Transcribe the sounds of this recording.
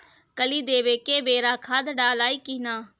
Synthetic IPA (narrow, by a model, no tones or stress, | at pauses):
kəliːd̪eːʋeːkeːbeːɾaːkʰaːd̪ɖaːlaːiːkiːnaː